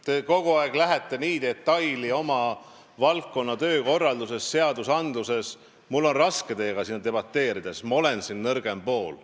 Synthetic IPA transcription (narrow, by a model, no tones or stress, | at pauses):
t̪e̞ko̞ɡuɑeɡ̥læɦet̪ˑːe̞niːd̪e̞t̪ːɑjlio̞mɑ | vɑlkːo̞nːɑt̪ø̞ːko̞rːɑld̪use̞sːe̞ɑd̪usɑnd̪luse̞s | mulːo̞nrɑske̞t̪e̞ːɡ̥ɑsinːɑt̪e̞b̥ɑt̪ːe̞ːɾid̪̥e̞smɑo̞le̞nsinnɤrɡ̥e̞mpo̞ːl